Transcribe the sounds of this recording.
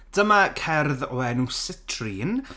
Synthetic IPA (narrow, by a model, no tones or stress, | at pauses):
d̥əmakʰɛrðɔɛnusɪtʰrin